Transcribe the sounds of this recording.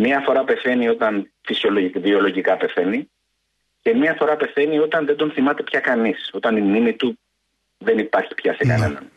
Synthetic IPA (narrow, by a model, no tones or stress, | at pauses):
miɐfo̞ɾɐpe̞θe̞nio̞t̪ɐnfisioloivio̞lo̞ʝikɐpe̞θe̞ni | ce̞mɲiɐfo̞ɾɐpe̞θe̞nio̞t̪ɐnðed̪o̞nθimɐt̪e̞pçɐkɐniso̞t̪ɐninːimit̪u | ðe̞nipɐɾçi̥pçɐsekɐ̰ne̞̰nɐ̰n